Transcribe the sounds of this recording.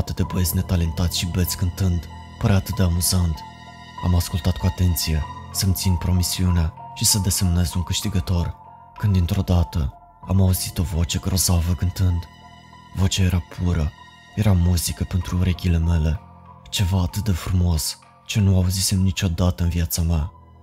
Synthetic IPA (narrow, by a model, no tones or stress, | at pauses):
at̪ɨt̪d̪ebəezʲne̞t̪ale̞nt̪at̪sʲʃibe̞t̪sʲkɨnt̪ɨnd̪ | pəɾeat̪ɨt̪̚d̪e̞amuzant̪ | a̰maskult̪at̪̚kuat̪e̞nt̪sije̞səmt̪sinpɾo̞misiuneʃisəd̪e̞se̞mne̞zuŋkɨʃt̪iɡət̪o̞r | kɨnd̪int̪ɾo̞d̪at̪ə | amauzit̪o̞vo̞t͡ʃe̞ɡɾo̞zavəkɨnt̪ɨnd̪ | vo̞t͡ʃae̞ɾapʰuɾə | je̞ɾamuzikəpe̞nt̪ɾuɾekʲile̞me̞le̞ | t͡ʃe̞vaːt̪ɨt̪̚d̪e̞fɾumo̞s | t͡ʃe̞nuauzise̞mnit͡ʃo̞d̪at̪əɨnviat̪samea